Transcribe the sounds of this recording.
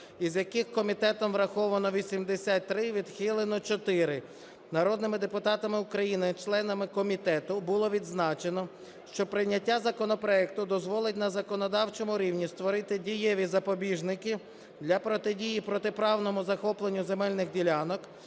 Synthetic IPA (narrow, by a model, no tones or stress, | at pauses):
izjɐkɪxkɔmʲit̪ɛt̪ɔmʋɾɐxɔʋɐnɔʋʲisʲimd̪esʲat̚ʲt̪ːɾɪʋʲid̪xɪlˠenɔt͡ʃɔt̪ɪɾɪ | nɐɾɔd̪nɪmɪd̪epʊt̪ɑt̪ɐmɪukɾɐjinɪt͡ʃlˠɛnɐmɪkɔmʲit̪ɛt̪ʊbʊlˠɔʋʲid̪znɑt͡ʃenɔ | ʃt͡ʃɔpɾɪnʲːɐtʲːazɐkɔnɔpɾɔɛk̚t̪ʊd̪ɔzʋɔlˠɪtʲnɐzɐkɔnɔd̪ɑwt͡ʃɔmʊɾʲiwnʲist̪ʋɔɾɪt̪ɪdʲijɛʋʲizɐpɔbʲiʒnɪkʲi | d̪lʲɐpɾɔt̪ɪdʲijipɾɔt̪ɪpɾɑwnɔmʊzɐxɔplˠenʲːʊzemɛlʲnɪɣdʲilʲɑnɔk